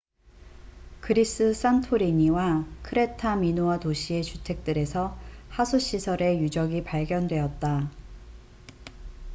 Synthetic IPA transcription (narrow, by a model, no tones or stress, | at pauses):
kɯɾis͈ɯs͈antʰoɾiɲiwakʰɯɾe̞tʰaminoatoɕʰie̞t͡ɕutʰe̞k̚t͈ɯɾe̞sʰʌhasʰuɕ͈ʰisʰʌɾe̞jud͡ʑʌɡipaɭɡjʌndwe̞ʌt̚t͈a